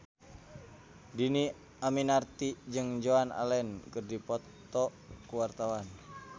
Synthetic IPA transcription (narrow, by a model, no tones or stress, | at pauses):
dini | aminart̪id͡ʒɨŋd͡ʒoana̰lɛnkɨrdipɔt̪ | ɔ | kuwart̪awan